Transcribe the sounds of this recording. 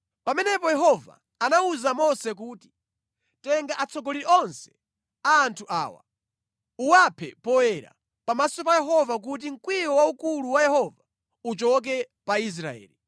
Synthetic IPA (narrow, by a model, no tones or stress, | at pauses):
pamɛnɛpɔjɛɦɔva̰ | anauzamɔsɛk̬uːti̥ | tɛŋɡaʔat͡sʰɔɡɔliɾɛɔnsɛ̥ | aːntʰuʔa̰ːwa̰ | uwapʰɛ̰pɔwɛɾa̰ | pamasɔp̬ajɛɦɔvak̬ut̬iŋ̩kwijɔwaukuluwajɛhɔva | ut͡ʃɔk̬ɛ | pais̬ɾaɛ̰ːli